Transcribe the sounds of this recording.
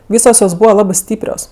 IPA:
ˈʋʲiːsoːs joːs ˈbuːʋɐ ˈlˠɑːbɜ ˈsʲtʲiːpʲrʲoːs

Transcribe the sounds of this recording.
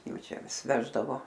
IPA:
ˈjɛʊ ˈt͡ʃʲɛ ˈʋʲɪs ˈʋʲæːʒdɐʋoː

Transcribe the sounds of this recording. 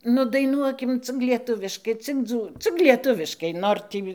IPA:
ˈnʊ dɐɪˈnuɔkʲɪm t͡sʲɪk lʲiɛˈtʊʋʲɪʃkɐɪ t͡sʲɪk ˈd͡zuː t͡sʲɪk lʲiɛˈtʊʋʲɪʃkɐɪ ˈnoːr tʲiː

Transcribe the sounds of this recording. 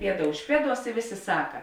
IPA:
ˈpʲiɛdɐ ʊʃ ˈpʲiɛˌduɔs ɪ ˈʋʲeːˌsʲeː ˈsɑːkɐ

